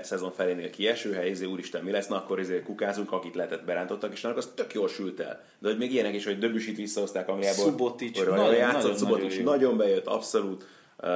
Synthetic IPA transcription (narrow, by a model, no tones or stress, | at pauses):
sɛzo̞ɱfɛleːneːlkiɛʃøːɦɛjizeːuːɾiʃt̪ɛmmilɛsnɛɒkːo̞ɾizeːkukaːzuŋkɒkit̪lɛɦɛt̪ɛt̪̚bɛɾaːnt̪o̞t̪ːɒkeːʃnːlokɒst̪økjoːlʃylt̪ɛ̰l | d̪ɛho̞ɟmeːɡijɛnɛkiʃho̞ɟ̚d̪øbyʃit̪ʋisːɒɦo̞st̪aːkɒŋɡlijaːboubot̪ioɾjaːtsosuboiʃnɒɟo̞mbɛjøt̪ːɒ̰pso̞luːt̪